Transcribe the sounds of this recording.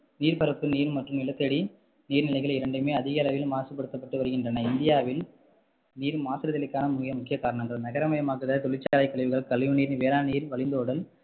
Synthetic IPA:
niːɾpɐɾɐpːɯniːɾmɐʈrɯmnɪlɐt̪ːɐɽi | niːɾnɪlɐɪɣɐɭɪɾɐɳɖɯmeːɐðɪɣɐɐlɐʋɪlmaːsɯpːɐɽɯt̪ːɐpːɐʈːɯʋɐɾɯɣɪndrɐnɐɪnd̪ɪjaːʋɪl | niːɾmaːsɐɾɐðɐlɪkːaːnɐmʊːɣɪjɐmʊkːɪjɐkːaːɾɐɳɐŋɡɐɭnɐɣɐɾɐmɐjɐmaːkɯðɐt̪ɔɭɪt͡ʃːaːlɐɪkːɐɭɪʋɯɣɐɭkːɐɭːɪjɯniːɾnʋeːɾaːniːɾʋɐɭɪnd̪oːɽɐl

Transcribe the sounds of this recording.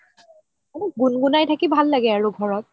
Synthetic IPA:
aɡunɡunajtʰakibʱalːaɡɛaɹuɡʱɔɹɔt̚

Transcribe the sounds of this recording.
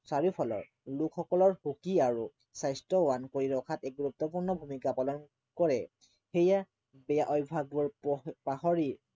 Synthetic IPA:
saɹipʰɔlɔ̰ɹ | lʊkʰxɔkɔlɔɹxukiaɹu | sajstɔwankoɹiɹɔkʰatɛk̚ɡuɹup̚t̪ɔpuɹnɔbʱumikapalɔn | kɔɹɛ | xeja | bɛjaʔɔjbʱaɡɔɹpaɦɔɹi

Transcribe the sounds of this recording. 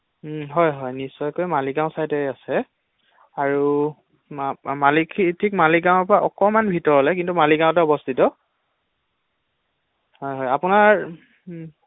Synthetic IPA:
ɦɔjɦɔjnisːɔjkojmaliɡãw̃sajtɛasɛ | aɹu | malikʰitʰikmaliɡãw̃ɛpɹaʔɔkɔmanbʱitɔɹɦɔlɛkintumaliɡãw̃t̬ɛɔbɔstʰitɔ | hɔjɦɔjapunaɹ

